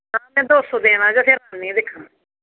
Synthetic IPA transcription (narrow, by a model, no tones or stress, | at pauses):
aːmɛ̃ːd̪oːsõːd̪ẽːnãːd͡ʒapʰeɾaːnːẽːd̪ɪkʰːã